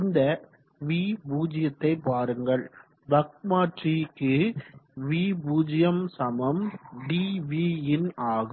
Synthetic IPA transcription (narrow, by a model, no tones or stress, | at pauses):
nd̪ɐ | ʋiːbuːd͡ʒɪjɐt̪ːɐɪpːaːɾɯŋɡɐɭ | b̪ɐk̚maːʈrikːɯʋiːbuːd͡ʒɪjɐmsɐmɐmɖiːʋiːjɪnaːɣɯ